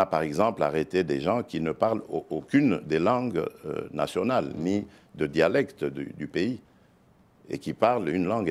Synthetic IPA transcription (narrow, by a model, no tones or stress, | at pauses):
apaʁɛɡzɑ̃pla̰ʁet̪ed̪eʒɑ̃kʲinəpaʁlookʲynd̪elɑ̃ɡø̰na̰sjɔnalni | d̪əd̪jalɛkt̪d̪y̰d̪ypei | ḛkʲipaʁlynlɑ̃ɡ